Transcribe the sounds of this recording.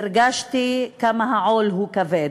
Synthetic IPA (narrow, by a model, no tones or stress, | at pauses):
ɾɡaʃt̪ikamaɦaʕolɦukaved